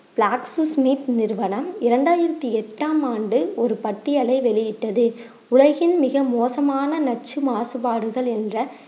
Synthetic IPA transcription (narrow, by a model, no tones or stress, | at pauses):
pɭaːksɯsmiːt̪nɪɾʋɐnɐmɪɾɐɳɖaːjɪɾɐt̪ːiɛʈːaːmaːɳɖɯɔɾɯpɐʈːɪjɐlɐɪʋɛɭɪjɪʈːɐðɯ | ʊɻɐɣɪnmɪɣɐmoːsɐmaːnɐnɐt͡ʃːɯmaːsɯpaːɽɯɣɐɭɛndrɐ